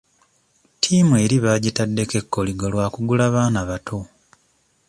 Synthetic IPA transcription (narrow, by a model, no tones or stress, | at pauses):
tʰiːmue̞ːɾiβaɟitadːe̞ke̞kːo̞liɡolwaːkuɡulaβaːnaβatʰo